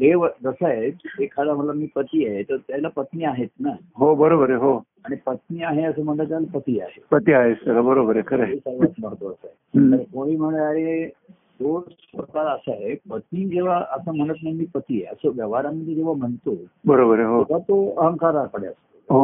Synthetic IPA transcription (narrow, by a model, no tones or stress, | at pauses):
d̪eʋəd͡zəsaɦed̪ekʰad̪am̤əlamiːpət̪iaɦet̪əɾt̪jalapət̪niaɦet̪na | ɦobəɾobəɾɦo | aɽ̃ipət̪̚niːaɦeəs̬əm̤əɳt̪at̪jalapət̪iːa̰ɦepət̪iaɦest̪əlabəɾobəɾekʰəɾeisəɾʋt̪məɳt̪oəsəet̪əɾkoɽiːm̤əɳɭaɦe | d̪os | pɾkaɾəsaɦepət̪nid͡ʑeʋaʔəsəm̤əɽ̃ət̪nəmiːpət̪ieəsəʋjəʋaɾaməd̪ʱjed͡zeʋam̤əɳt̪obəɾobəɾɦokat̪oəɦəŋkaɾakəɽeəsə | ɦo